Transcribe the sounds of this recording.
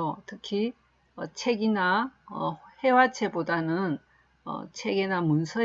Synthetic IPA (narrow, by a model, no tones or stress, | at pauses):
otʰɯkʰi | ʌt͡ɕʰe̞ɡinaʌhe̞wat͡ɕʰe̞bodanɯn | ʌ̰t͡ɕʰe̞ɡenamunsʰʌ